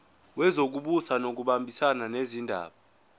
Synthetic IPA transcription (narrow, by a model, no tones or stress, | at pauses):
wɛzok̬uɓusanok̬uɓambʱisananezindʱa̰ːɓa